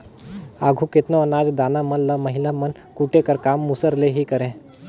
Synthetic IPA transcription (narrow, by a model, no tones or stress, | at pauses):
aːɡʱũkɪt̪noɐnaːd͡ʒd̪aːnamɐnləmɐɦɪlamɐn | kuːʈekəɾkaːmːusəɾleɦikəɾẽː